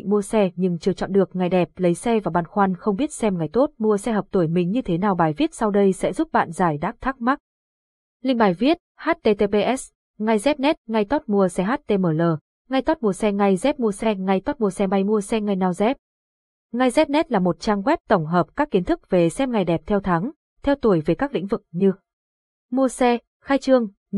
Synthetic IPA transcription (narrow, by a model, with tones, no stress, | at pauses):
ŋmu˧əsɛ˧ɲɨ˧ŋt͡ɕɨ˧˩ət͡ɕɔ̰˧˨nɗɨ˨˩ək̚ŋa˨˩jɗɛ˨˩p̚lə˨˦jsɛ˧vaː˨˩ɓa̰ː˧˨nxwa˧nxə˧wŋ͡mɓi˦˥ət̚sɛ˧mŋa˨˩jt̪o˦˥t̚mu˧əsɛ˧ɦəː˨˩p̚t̪o˧˩jmï˨˩ŋ̟ɲɨ˧t̪ʰe˨˦naː˨˩wɓaː˨˩jvi˦˥ət̚sa˧wɗə˧jsɛ̰˧˥zu˦˥p̚ɓa̰ː˧˨nzaː˧˩jɗaː˧˦˥k̚t̪ʰa˦˥k̚ma˦˥k̚ | lï˧ŋɓaː˨˩jvi˦˥ət̚haː˦˥t̚t̪e˧t̪e˧ɓe˧ʔɛ˦˥s | ŋa˧jzɛ˦˥p̚nɛ˦˥t̚ŋa˧jt̪ɔ˦˥t̚mu˧əsɛ˧ɦaː˦˥t̚t̪e˧məː˨˩ləː˨˩ | ŋa˧jt̪ɔ˦˥t̚mu˧˩əsɛ˧ŋa˧jzɛ˦˥p̚mu˧əsɛ˧ŋa˧jt̪ɔ˦˥t̚mu˧əsɛ˧ma˧jmu˧əsɛ˧ŋa˧jnaː˧˩wzɛ˦˥p̚ | ŋa˧jzɛ˦˥p̚nɛ˦˥t̚laː˨˩mo˨˩t̚t͡ɕaː˧ŋɣwɛ˦˥p̚t̪ə˧˩wŋ͡mɦəː˨˩p̚kaː˦˥kːi˨˦ənt̪ʰɨ˦˥k̚ve˨˩sɛ˧mŋa˨˩jɗɛ˨˩p̚t̪ʰɛ˧wt̪ʰa˨˦ŋ | t̪ʰɛ˧wt̪u˧˩əjve˨˩kaː˦˥k̚lḭ˧˥ŋ̟vɨ˨˩k̚ɲɨ˧ | mu˧əsɛ˧ | xaː˧jt͡ɕɨ˧əŋ